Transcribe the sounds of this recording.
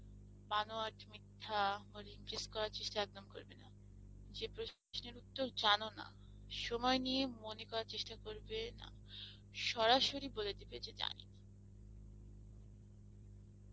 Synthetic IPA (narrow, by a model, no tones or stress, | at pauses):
banoaʈmit̪ʰːamoɾimpɾeskɔɾaɾt͡ɕeʃʈaɛk̚d̪omko̰ɾbena̰ | d͡ʑepɾo | sneɾut̪ːoɾd͡ʑanona̰ | ʃɔmɔeniemonekɔɾaɾt͡ɕeʃʈakoɾbena̰ | ʃɔɾaʃoɾiboled̪ibed͡ʑed͡ʑa̰nḭn